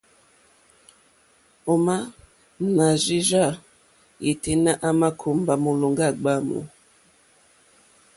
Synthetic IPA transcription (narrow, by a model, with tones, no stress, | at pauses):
o˨ma˦ | na˨zi˦ʒa˦˨ | i˨te˦na˦ʔa˦ma˦kʰo˨˦mba˨mo˨lo˨ŋɡa˦˨ɡ͡ba˦˨mo̰˨